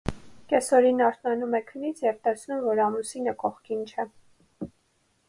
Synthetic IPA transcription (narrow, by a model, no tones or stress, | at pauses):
kɛsɔɾinɑɾt̪ʰnɑnumɛkʰənit͡sʰjɛvt̪ɛsʰnumvɔɾɑmusinəkɔχkint͡ʃʰɛ